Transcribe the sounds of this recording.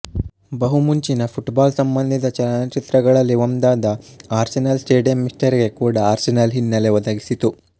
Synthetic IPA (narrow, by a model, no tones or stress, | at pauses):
bɐɦumuɲt͡ʃinɐpʰuʈbaːlsɐmbɐnd̪ʱid̪ɐt͡ʃɐlɐnɐt͡ʃit̪ɾɐɡɐɭɐlːiʋɐmd̪aːd̪ɐaːɾsinɐlsʈeːɖijɐmːisʈɐɾiɡe̞kuːɽɐaːɾsinɐlɦinːɐleʋɐd̪aːɡisit̪u